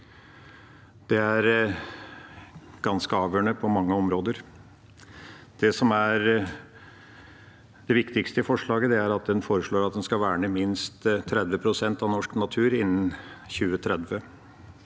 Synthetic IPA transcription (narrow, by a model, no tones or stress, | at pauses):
d̪̥ɛæɾ | ɡ̥ɑnskəɑːʋjøːɳəpʰɔmɑŋːəɔmɾoːd̪əɾ | d̪̥ɛsɔmæɾ | d̪ɛʋɪkt̪ɪkst̪əfɔʂɭɑːɡəd̪ɛæɾɑt̪̚d̪ɛnfoːɾəʂɭoːɾɑt̪̚d̪ɛnskɑlʋæːɳəmɪnst̪t̪ʰːɾɛd̪ʋəpʰɾʊsɛnt̪ɑʋnɔʂknɑt̪ʰʉːɾɪnːn̩çʉːət̪ʰɾɛd̪ʋə